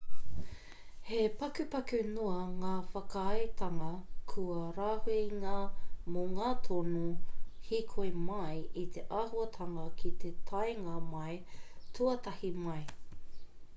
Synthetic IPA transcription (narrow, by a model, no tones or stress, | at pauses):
hepɐkʉpɐkʉnoɐŋaːfɐkaɐjtʰɐŋɐkʰuɐɾaːheŋamoŋaːt̪ʰonuhikʰoemɐjit̪ʰeʔɐhuɐtʰɐŋɐkʰit̪ʰet̪ʰɐjŋɐmɐjtʰuɐt̪ɐhimɐj